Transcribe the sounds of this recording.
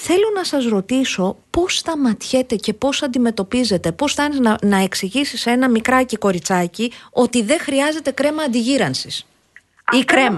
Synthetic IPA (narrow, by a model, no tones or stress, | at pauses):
θe̞lo̞nɐsɐzɾo̞t̪iso̞po̞st̪ɐmɐt̪çe̞t̪e̞ce̞po̞sɐnd̪ime̞t̪o̞pize̞t̪e̞po̞sθɐnizɐnɐe̞ksiʝisise̞nɐmikɾɐciko̞ɾit͡sɐcio̞t̪iðe̞xɾiɐze̞t̪e̞kɾe̞mɐːnd̪iʝiɾɐnsis | ikɾe̞mɐ